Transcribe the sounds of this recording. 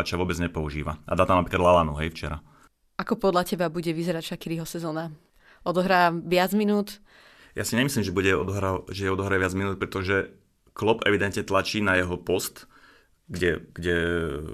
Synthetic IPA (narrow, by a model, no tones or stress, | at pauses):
at͡ʃaʋʊɔbɛd͡zɲɛpɔuʒiːʋaʔa̰d̪aːt̪amnapɾiːkad̪lalanṵɦɛjft͡ʃɛ̰ɾa̰ | akɔpɔd̪lʎacɛbabuɟɛʋizɛɾacʃakiɾiɦɔsɛzɔːna | ɔd̪ɔɦɾaːʋɪad͡zminuːt̪ | ja̰siɲɛmisliːmʒɛbuɟɛɔd̪ɔɦɾaʒɛjɛɔd̪ɔɦɾaɛʋɪad͡zminuːt̪̚pɾɛt̪ɔʒɛ | klɔpɛ̰ʋid̪ɛnt̪ɲɛt̪lat͡ʃiːnajɛɦɔpɔst̪ | ɡɟɛɡ̥ɟɛ